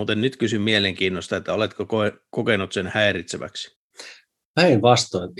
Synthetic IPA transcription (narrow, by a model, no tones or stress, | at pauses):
ut̪ennyt̪kysymmieleŋkiːnːost̪ɑet̪ːæolet̪kokoekokenut̪senhæeɾit̪seʋæ̰ksi̥ | pæinʋɑst̪oin